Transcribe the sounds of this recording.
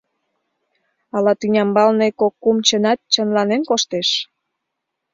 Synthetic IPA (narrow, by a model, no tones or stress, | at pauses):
ɑlɑt̪ynʲɑmbɑlnekokːumt͡ɕənɑt̪̚t͡ɕə̆nlɑnenkoʃt̪eʃ